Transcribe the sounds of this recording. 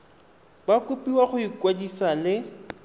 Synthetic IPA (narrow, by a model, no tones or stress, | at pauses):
bakʼupʼiwaχʊikʼwadisalɪ